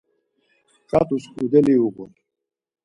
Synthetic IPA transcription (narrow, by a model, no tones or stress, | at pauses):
kʼat̪ʼuskʼud̪ɛliuɡun